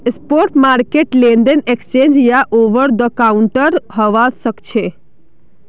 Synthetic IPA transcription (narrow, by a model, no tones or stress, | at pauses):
spoɾʈmaɾkeʈlẽnd̪ənekst͡ʃẽnd͡ʒjaʔoʋəɾd̪əkauɳʈəɾɦəʋaʃəkt͡ʃʰe